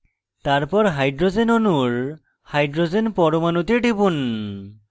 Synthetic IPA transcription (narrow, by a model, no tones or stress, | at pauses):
t̪aɹpɔɾɦajɖɾozenɔnuɹ | hajɖɾozenpɔɾomanut̪eɖibun